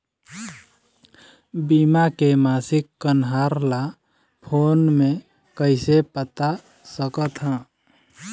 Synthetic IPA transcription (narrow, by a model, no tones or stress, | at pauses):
bimakemaːsɪkːənɦaːɾla | pʰoːnmẽ | kəɪsepət̪a | səkət̪ɦɛ̃ː